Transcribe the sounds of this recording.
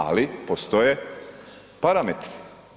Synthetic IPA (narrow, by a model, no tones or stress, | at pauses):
a̰lipost̪oje | paɾamet̪ɾ